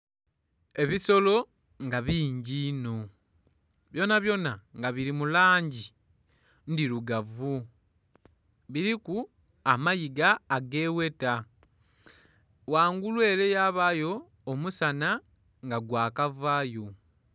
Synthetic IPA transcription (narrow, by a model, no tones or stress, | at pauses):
e̞βiso̞lo̞ | ŋɡaβiːɲɟino̞ | βjo̞naβjo̞naŋɡaβiɾimulaːɲɟi | ndiɾuɡavu | βiɾiku | amajiɡaːɡe̞ːwe̞ta | waːŋɡulwe̞ːle̞jaːβajo̞ː | musana | ŋɡaɡwaːkavaːjo